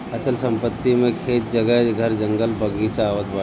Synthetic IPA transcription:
ɐt͡ʃəlsɐ̃mpət̪ːimẽkʰeːt̪̚d͡ʒɐɡəɡʱɐɾd͡ʒəŋɡəlpəɡit͡ʃaʋət̪ba

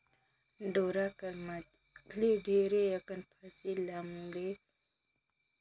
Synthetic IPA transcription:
ɖoːɾaːkɐɾma | kʰliɖʱeːɾejɐkɐnpʰasiːlaːmuɽeː

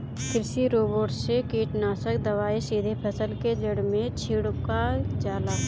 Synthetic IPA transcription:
kɾɪʃiɾoːboːʈsekiːʈnaːsəkd̪əʋaːisiːd̪ʱepʰəsəlked͡ʒəɽmẽt͡ʃʰɪɽkad͡ʒaːla

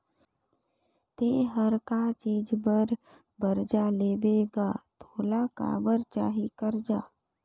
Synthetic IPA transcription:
t̪eːɦəɾkat͡ʃiːd͡ʒbəɾ | bəɾd͡ʒaleːbeːɡaːt̪ʰoːlaka̰ːbəɾt͡ʃaːɦikəɾd͡ʒaː

